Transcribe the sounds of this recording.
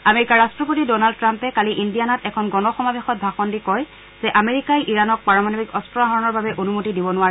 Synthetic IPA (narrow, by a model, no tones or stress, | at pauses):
ameɹikaɹastɹɔp̬otidɔnald̚tɹampɛkaliʔindijanatɛkʰɔnɡɔnɔxɔmabexɔt̚bʱaxɔndikɔj | zɛʔameɹikajʔiɹanɔk̚paɹɔmanɔbikɔstɹɔaɦɔɹɔnɔɹbabɛʔonumotidibɔnʊwaɹɛ